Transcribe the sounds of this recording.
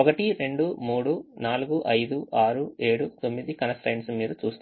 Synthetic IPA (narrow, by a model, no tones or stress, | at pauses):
ɔkɐʈiɾe̞ɳɖumuːɽunaːluɡuʔɐjd̪uʔaːɾue̞ːɽut̪o̞mːid̪ikɐnɐsʈɐjnsumiːɾut͡ʃuːst̪